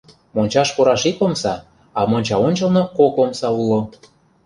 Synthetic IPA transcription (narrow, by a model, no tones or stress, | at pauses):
monʲt͡ɕɑʃpoɾɑʃikomsɑ | ɑmonʲt͡ɕɑonʲt͡ɕɤ̆lnokokomsɑulo